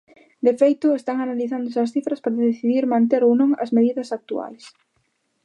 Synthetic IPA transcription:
d̪efejt̪ʊest̪aŋanaliθand̪ʊseɐsθifɾɐspaɾaðeθiðiɾmãnt̪eɾownõŋɐ̰zmeðiðɐsak̚t̪ua̰js

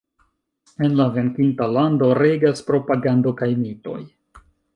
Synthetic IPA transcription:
e̞nlave̞ŋkintalando̞ɾe̞ɡaspɾo̞paɡando̞kajmito̞̰j

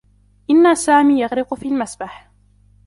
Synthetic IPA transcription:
ʔɪnːasaːmiːjɑɣɾɪqʊfiːlmasbaħ

